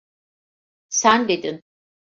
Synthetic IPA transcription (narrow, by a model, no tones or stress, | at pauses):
sænd̪ed̪in